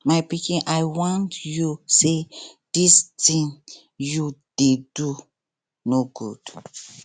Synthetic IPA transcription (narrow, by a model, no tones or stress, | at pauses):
majpikĩʔajwɔ̃ntjusedistĩŋ | jud̥edu | noɡud̥